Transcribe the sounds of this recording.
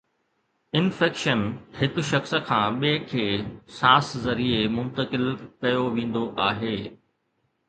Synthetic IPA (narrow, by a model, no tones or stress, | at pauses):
ɪnfɛːkʃənhɪkʊ̆ʃɐxsə̆kʰãːɓeːkʰeːsaːszɐɾiemʊ̃nt̪əkɪlkɐjoʋẽːn̆d̪oʔaːɦeː